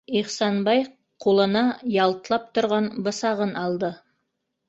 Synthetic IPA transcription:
iχsɑnbɑj | qʰolˠə̆nɑjɑlˠt̪əlˠɑp̚t̪ʰʊ̆ɾʁɑnbə̆sɑʁənʔɑlˠd̪ə

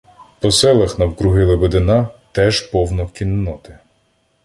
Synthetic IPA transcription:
pɔsɛlˠɐxnɐwkɾʊɦɪlˠebed̪ɪnɑt̪ɛʒpɔwnɔkʲinːɔt̪ɪ

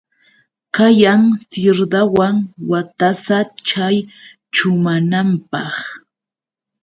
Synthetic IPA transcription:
kajaŋsɪɾd̪awaŋwat̪asat͡ʃaj | t͡ʃʊmanampɑχ

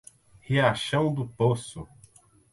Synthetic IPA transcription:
heaʃɐ̃w̃d̪ʊposʊ

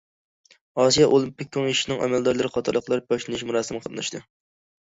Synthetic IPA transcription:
ɑsijɑʔolˠimpik̚ʲːoŋiʃinɨŋʔɛ̰mɛld̪ɑɾlˠɨɾɨqɑt̪ʰɨɾlːˠəqlˠɑɾb̥ɑʃlˠɨnɨʃmuɾɑːsɨmqʰəlˠɨnɨʃt̪ɨ

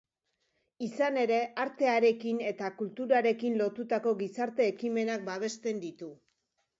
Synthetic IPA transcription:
isane̞ɾe̞aɾt̪e̞aɾe̞kine̞t̪akult̪uɾaɾe̞kinlo̞t̪ut̪ako̞ɣisaɾt̪e̞ːkime̞nak̚baβ̞e̞st̪e̞nd̪it̪u

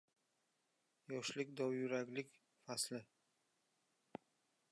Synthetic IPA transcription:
jɒʃlɪkʲd̪ɒwjʊɾakʲlɪkʲ | faslɪ

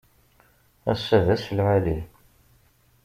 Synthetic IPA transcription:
æ̰sːævæsəlʕali

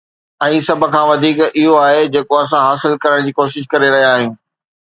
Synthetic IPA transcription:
ɛ̃ːsɐbʱə̆kʰãːʋɐd̪ʱiːkɪɦoaːɦed͡ʑeːkoɐs̬ãɦaːsɪlkɐɾəɽ̃d͡ʑiːkoːʃɪʃ̬kɐɾeɾɐɦiaːɦijũː

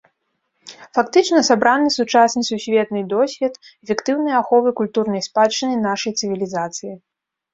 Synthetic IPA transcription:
fakt̪ɨt͡ʂnɐsabɾanɨsut͡ʂasnɨsusʲvʲɛt̪nɨd̪ɔsʲvʲɛt̪ | fʲɛkt̪ɨwn̪ɨjɐaxɔvɨkulʲt̪urnɐjspat͡ʂːɨnɨnaʂɐjt̪sɨvʲilʲizat̪sɨji

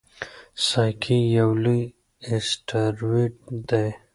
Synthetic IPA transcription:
sajkʰijawluj | esʈaɾwiʈ̚d̪aj

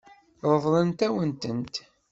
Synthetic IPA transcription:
ɾˤəðˤlənt̪æwənt̪ənt̪

